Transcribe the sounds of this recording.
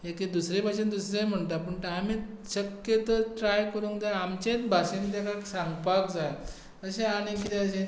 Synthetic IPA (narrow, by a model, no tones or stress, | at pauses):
ɦeked̪usɾebʱaɕẽnd̪usɾem̤əɳt̪apəɳʈami | ɕəkjət̪əʈɾajkəɾũŋkd̪aamt͡ɕẽt͡s̪bʱaɕent̪ekaksãŋɡpakd͡zaj | əɕẽañikit̪ẽəɕẽ